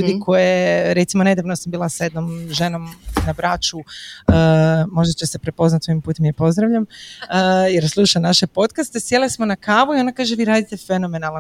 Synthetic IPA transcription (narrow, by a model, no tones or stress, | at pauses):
uːd̪ikʰo̞jeɾe̞t̪simo̞ne̞d̪aʋnosambiːlˠasaje̞d̪nomʒe̞no̞mnabɾat͡ʃuəːmo̞ʒd̪at͡ɕesepɾe̞po̞znat̪soimpuːt̪emjepo̞zd̪ɾaʋʎamː | jeɾslˠuːʃanaʃe̞po̞t̪kast̪esje̞lesmo̞nakaːʋuio̞nakaːʒeʋiːɾaːd̪it̪e̞fe̞no̞me̞nalˠa